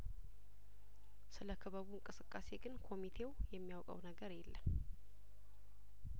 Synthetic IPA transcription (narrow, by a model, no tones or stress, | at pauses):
sɨləkʰːəβaβiɨŋkʼɨsɨkʼːase̞ɡɨnkʰo̞mit̪ʰe̞wjɛmːijawkʼə̰wnəɡəɾjɛlːə̰n